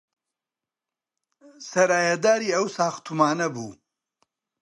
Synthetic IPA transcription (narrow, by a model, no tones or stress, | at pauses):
sɐɾaːjɐd̪aːɾiːɐwsaːxt̪ʰumaːnɐbṵː